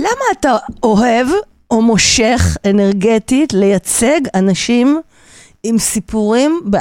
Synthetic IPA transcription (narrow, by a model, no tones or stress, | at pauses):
lamaːtao̞ɦev | omo̞ʃe̞χene̞ʁɡetitle̞jat͡se̞ɡanaʃim | imsipuʁimbe